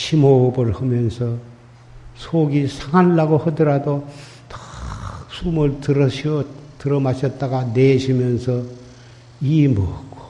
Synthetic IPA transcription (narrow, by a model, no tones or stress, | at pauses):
ɕʰimobɯɾhɯmjʌnsʰʌ | sʰoɡisʰaŋanːaɡohɯdɯɾado | tḁ | sʰumɯɭtɯɾʌɕtɯɾʌmaɕʰʌt̚t͈aɡaneɕʰimjʌnsʰʌ | imʌkk͈o̥